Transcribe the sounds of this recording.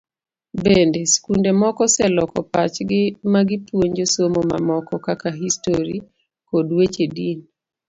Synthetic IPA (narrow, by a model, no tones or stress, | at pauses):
bendeskundemɔkɔsɛlɔkɔpa̰t͡ʃɡɪmaɡɪpwoɲd͡ʒosomoma̰mɔkɔkakaɦistoɾi | kodwet͡ʃedin